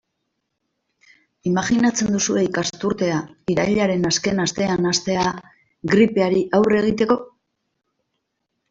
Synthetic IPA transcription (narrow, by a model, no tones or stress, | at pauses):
imaʝinat͡se̞nd̪usue̞ikast̪uɾt̪e̞aiɾajʎaɾe̞naske̞nast̪e̞anast̪e̞a | ɣɾipe̞aɾiʔawre̞ɣ̞it̪e̞ko̞